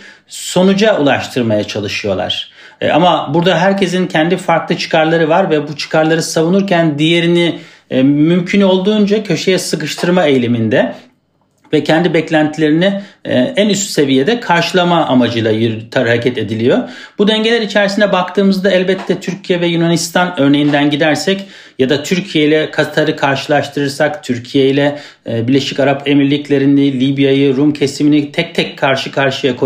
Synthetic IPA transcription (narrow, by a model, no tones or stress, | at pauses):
so̞nud͡ʒaulˠaʃt̪ʰɯɾmajat͡ʃʰalˠɯʃɯjo̞lˠa̰ɾ̥ | a̰mabuɾd̪aɦæɾcʰe̞zincʰɛnd̪ifaɾklˠɯt͡ʃʰɯ̥kʰaɾlˠaɾɯvaɾvɛbut͡ʃʰɯ̥kʰaɾlˠaɾɯsavunuɾcʰænd̪ije̞ɾini | mymcʰyno̞lˠd̪uːnd͡ʒacʰø̞ʃejɛsɯkɯʃt̪ʰɯɾmaejlʲemind̪ɛ | vɛcʰɛnd̪ibɛclʲænt̪ʰilʲe̞ɾiniænyst̪y̥se̞vije̞d̪ɛkʰaɾʃɯlˠamaʔamad͡ʒɯlˠajyɾt̪ʰaɾɯhaɾcʰɛt̪e̞d̪ilʲijob̥ud̪ɛɲɟelʲæɾit͡ʃʰæɾsinɛbakt̪ʰɯːmɯzd̪aɛlʲbɛt̪ʰːɛt̪ʰyɾcʰijɛvɛjunanist̪ʰanø̞ɾne̞jind̪ænɟid̪æɾsɛc | jad̪at̪ʰyɾcʰije̞jilʲɛkʰat̪ʰaɾɯkʰaɾʃɯlˠaʃʃt̪ʰɯɾɯɾsakt̪ʰyɾcʰije̞jlʲɛ | biɾlʲe̞ʃicaɾapʰe̞miɾlʲiclʲe̞ɾind̪ɛlʲibjajɯɾumcʰesiminit̪ʰɛc̚t̪ʰɛcʰːaɾʃɯkʰaɾʃɯjakʰ